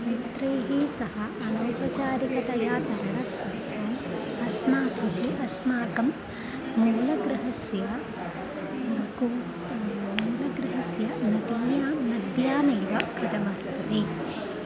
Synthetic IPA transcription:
nɐnt̪ɾɐjɦisɐɦɐːnɐwpɐt͡ʃaːɾikɐt̪ɐjaːt̪ɐɾɐɳɐspɐɾt̪ɐːm | ɐsmaːkɐt̪iʔɐsmaːkɐm | muːlɐɡɾɐɦɐsjɐ | ku | muːlɐɡɾɐɦɐsjɐnɐd̪ijaːnɐd̪jaːnɐjʋɐkɾɐd̪ɐmɐːst̪ɐt̪i

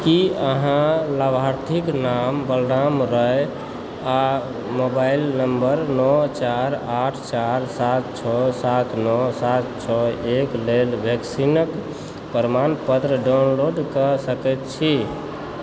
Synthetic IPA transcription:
kiəɦãləbʱaɾt̪ʰiknambəlɾamɾəe | a | mobailnəmbəɾnɔt͡ʃaɾaʈʰt͡ʃaɾsat̪t͡ʃʰɔsat̪ʰnɔsat̪t͡ʃʰɔeklelbʱjəksinək | pəɾmanpət̪ɾəɖaunloɖkəsəkɛt̪t͡ʃʰi

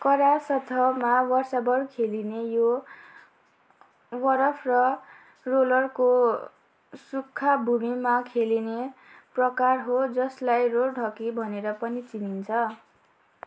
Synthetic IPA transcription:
kʌɾasʌt̪ʰʌmawʌrsabʌrkʰelinejo | wʌɾʌpʰrʌ | rolʌrko | sukʰːabʱumimakʰelineprʌkarɦod͡zʌslajrorɖʱʌkibʱʌneɾʌpʌnit͡sinint͡sʰʌ

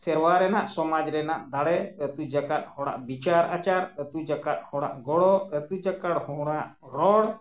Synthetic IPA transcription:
sɛɾwaɾɛnaʔsɔmad͡ʒɾɛnaʔd̪aɽɛət̪ud͡ʒakat̪̚ˀhɔɽa̰ʔbit͡ʃaɾʔat͡ʃaɾət̪ud͡ʒakat̪̚hɔɽ̃a̰ʔɡɔɽɔət̪ud͡ʒakaɽhɔɽaʔ | ɾɔɽ

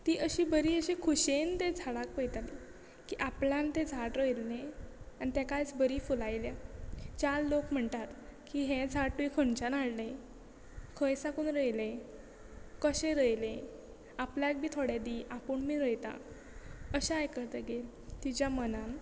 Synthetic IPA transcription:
t̪iːʔəɕiːbəɾiːəɕekʰuɕent̪ed͡zʱaɽak̚pəjt̪ali | kiːʔaplant̪ed͡zʱaʈɾəjlːeañit̪akajt͡sbəɾiːfulajljat͡ɕallokm̤əɳt̪at̪kiɦẽd͡zʱaʈuikʰəɳt͡ɕanaɽle | kʰəjsakuːnɾəjle | kəɕeɾəjlẽ | apljak̚bʱiːt̪ʰoɽad̪iːʔapəɳmiːɾəjt̪a̰ | əɕaajkəɾt̪əɡel | t̪id͡ʑjamənan

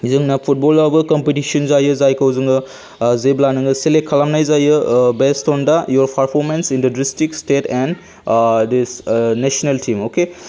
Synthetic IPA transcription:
zɯŋnapʰut̚bɔlabɯkɔmpetisɔnzajɯzajkʰawzɯŋɯ | zeblanɯŋɯselekʰalamnajzajɯbestɔndajɔɾpʰaɾpʰɔɾmensindɐdɾistikstetɛn | disnesoneltʰimoke

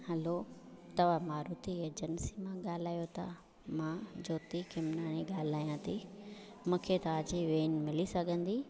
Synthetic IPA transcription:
hɐlot̪ɐʋãmaːɾuːt̪ied͡ʑənsimãɠaːl̤aːjot̪ʰa̰ | mãd͡ʑoːt̪ikʰɪmnaːñiɡaːl̤aːjãt̪ʰi | mũːkʰet̪ɐaːd͡ʑiʋeːnmɪlisɐɡʱə̃nd̪iː

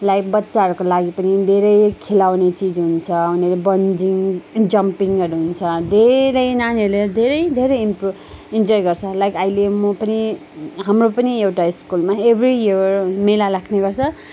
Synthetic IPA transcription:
lajk̚bʌtːsaɦʌɾukolaɡipʌnid̪ʱeɾʌjkʰelawnet͡sid͡zɦunt͡sʰʌunʌlebʌnd͡ziŋd͡zʌmpiŋʌɾuɦunt͡sʰʌd̪ʱeɾʌjnanɾled̪ʱeɾʌjd̪ʱeɾʌjmpu | ind͡zɔjɡʌrt͡sʰʌlajkajlemopʌni | ɦamropʌniewʈaiskulmaebʱrijirmelalakʰneɡʌrt͡sʰʌ

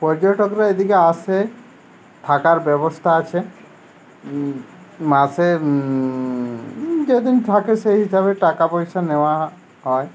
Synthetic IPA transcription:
pɔɾd͡ʒɔʈɔkɾaed̪ikease | ʈ̪ʰakaɾbɛbost̪ʰaat͡ʃʰe | mase | d͡ʒed̪int̪ʰakeseɦiʃabeʈakapɔɾiʃaneoa | ɦɔe

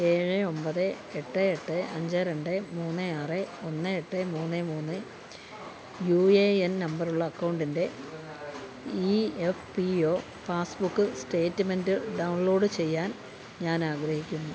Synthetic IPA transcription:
e̞ːɻɨo̞mpɐðɨ | eʈːɨeʈːɨʔɐɲd͡ʑɐɾeɳɖɨmuːnːɨaːrɨo̞nːɨeʈːɨmuːnːɨmuːnːɨ | juːeennɐmbɐruɭːɐːkːɐwɳɖinde̞ | iefpio̞ː | paːsbukːɨste̞ːtːɨme̞ndɨɖɐwɳlo̞ːɽɨt͡ɕe̞jːaːn | ɲaːnaːɡɾɐhikʲːunːu

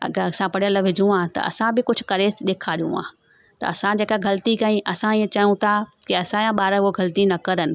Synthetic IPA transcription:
ɐ̰ɡəɾɐsãpɐɽjəlʋɪd͡ʑʱũãːt̪ɐ̰ɐ̰sãbɪkʊd͡ʑʱʊkɐɾeːsɗ̪eːkʰaːɾijṵ̃ã̰ː | t̪ɐ̰ɐsãd͡ʑeːkaɡʱɐlt̪ikãːĩʔɐsãiẽt͡ɕɐjũt̪ʰakɪɐsãjãɓaːɾəoɡɐlt̪inɐkɐɾənɪ̆

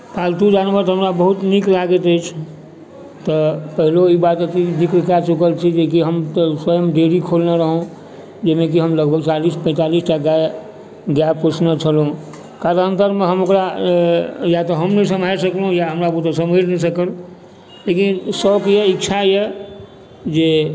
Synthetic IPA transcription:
palt̪ud͡ʒanbət̪ɦəmɾabəɦut̪niklaɡət̪əɪt͡ʃʰ | t̪ɔpəɦiloibat̪ət̪id̪ikɾkat͡ʃukəlt͡ʃʰid͡ʒekiɦəmt̪swəjəmɖeɾikʰolnaɾəɦũ | d͡ʒəmek̬iɦəmləɡbʱəɡt͡ʃalispə̃ɪ̃t̪alisʈaɡae | ɡjap̚kot͡ʃʰnat͡ʃʰəlũ | kaɾaənt̪əɾmẽɦəmokɾa | jat̪ɔɦəmnəsəmʱajsəklɦũjaɦəmɾabəut̪səmeɾnɛsəkəl | lekinsəkjeikt͡ʃʰaje | d͡ʒe

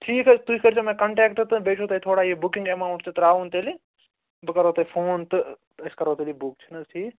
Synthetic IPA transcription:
ʈʰiːkt̪uikʰəɾt͡ʃʰomẽːkɐɳʈeːkʈɨt̪ɨbeːʈʰot̪ɐit̪ʰoːɽaːjebʊkɪŋɡemaːʊ̃ɳʈt͡ʃʰit̪ɐɾaːunt̪eːli | bɨkɐɾoːt̪ɐipʰoːnt̪ɨ | ɐskɐɾoːt̪elibuk̚t͡ʃʰinɐtʰiː

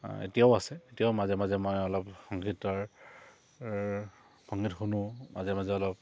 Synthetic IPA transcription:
ḛtijaʊasɛetijaʊmazɛmazɛmɔjɔlɔpxɔŋɡitaɹ | xɔŋɡitxunumazɛmazɛɔlɔp̚

